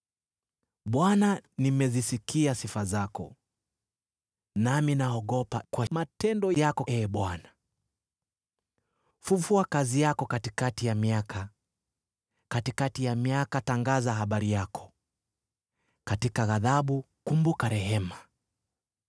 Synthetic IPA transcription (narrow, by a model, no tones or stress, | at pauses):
ɓwananimɛzisikiasifazakɔ̰ | naminaɔɠɔpakwamatɛndɔjakɔɛɓwana | fufuakazijakɔkatikatijamiaka | katikatijamiakataŋɡazaɦaɓaɾijakʰɔ̥ | katikaɣaðaɓu | kumbukaɾɛɦɛma